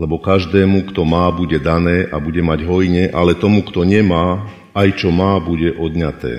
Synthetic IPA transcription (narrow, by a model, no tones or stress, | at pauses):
lɛbɔkaʒd̪ɛːmukt̪ɔmaːbuɟɛd̪anɛːʔabuɟɛmaɟɦɔjɲɛʔalɛt̪ɔmukt̪ɔɲɛmaː | ajt͡ʃɔmaːbuɟɛʔɔd̪ɲat̪ɛ̰ː